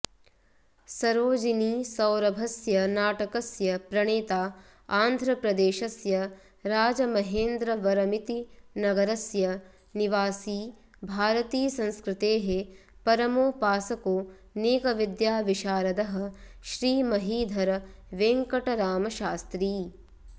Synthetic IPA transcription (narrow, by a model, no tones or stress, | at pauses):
sɐɾoːd͡ʒiniːsɐwɾɐbʱɐsjɐnaːʈɐkɐsjɐpɾɐɳeːt̪aː | aːnd̪ʱɾɐpɾɐd̪eːʃɐsjɐ | ɾaːd͡ʒɐmɐɦeːnd̪ɾɐʋɐɾɐmit̪inɐɡɐɾɐsjɐ | niʋaːsiː | bʱaːɾɐt̪iːɐsɐ̃nskɾɪt̪eːɦe | pɐɾɐmoːpaːsɐkoː | neːkɐʋid̪jaːʋiʃaːɾɐd̪ɐɦɐ̆ʃɾiːmɐɦiːd̪ʱɐɾʋeːŋkɐʈɐɾaːmɐʃaːst̪ɾiː